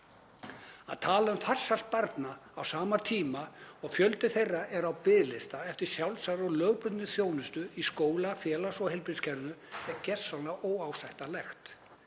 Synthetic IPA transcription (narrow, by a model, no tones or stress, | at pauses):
a̰ðt̪ʰaːlaʏmθar̥sal̥t̪̚paɾt̪naːwsaːmaɾt̪ʰiːmaɔɣfjœlt̪ɪθejrːaɛɾawpɪðlɪst̪aɛft̪ɪɾ̥sjawlsaɾɔlœːɣpʏt̪nɪθjoːwnʏst̪ʏiskoːwlafjɛːlasɔɣhɪlpɾɪnscʰɛɾnʏɛcɛ̥sawnaʔoːwaːwsajht̪alɛxt̪